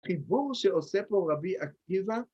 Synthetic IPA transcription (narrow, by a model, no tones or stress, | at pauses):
χibuʁʃeosepoʁabiak̚iva